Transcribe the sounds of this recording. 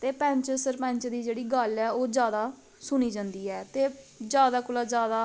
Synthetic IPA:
t̪eːpɛ̃ːɲt͡ʃəsəɾpɛ̃ːɲt͡ʃd̪iːd͡ʒeːɽiːɡəlɛːoːd͡ʒjaːd̪aː | sʊniːd͡ʒãːnd̪iːɛːt̪eːd͡ʒjaːd̪aːkʊlaːd͡ʒjaːd̪aː

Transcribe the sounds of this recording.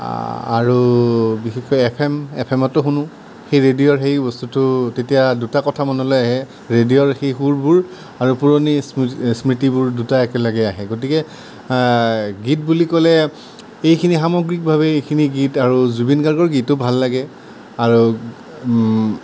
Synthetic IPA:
a̰ɹubixexɔjɛpʰɛmɛpʰɛmɔtɔxunʊ̃ | xejɹedijɔɹxejbɔstutʊtetijadutakɔtʰamɔnɔlɔjaɦɛ | ɹedijɔɹxejxuɹbuɹ | aɹupuɹonissmɹitibuɹdutaɛkɛlɔɡɛaɦɛɡot̬ikɛ | ɡit̚bulikɔlɛ | ejkʰinixamɔɡɹik̚bʱaβɛejkʰiniɡitaɹuzubinɡaɹɡɔɹɡitːʊbʱalːaɡɛ | aɹu

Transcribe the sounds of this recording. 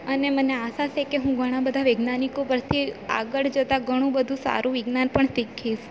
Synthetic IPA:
əneməneasasekeɦũɡʱəɽ̃abəd̪ʱaʋeɡnanikopəɾt̪ʰia̰ɡəɭd͡ʒət̪aɡʱəɽ̃ũbəd̪ʱũsa̰ɾũʋɪɡnanpəɳsikʰːiʃ

